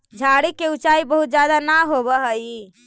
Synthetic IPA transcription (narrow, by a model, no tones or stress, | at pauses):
d͡ʒʱaɽikeut͡ʃaibəɦut̪̚d͡ʒjad̪anaɦobəɦəi